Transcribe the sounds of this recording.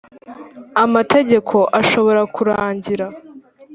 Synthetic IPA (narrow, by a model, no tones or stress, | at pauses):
amate̞ɟe̞kʰo̞ʔaʃo̞βo̞ɾakuɾaːɲɟiɾa